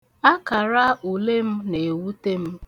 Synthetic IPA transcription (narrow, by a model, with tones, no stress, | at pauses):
a˦ka˨ɾa˦u˨le˦m̩˦ne˨wu˦te˦m̩˦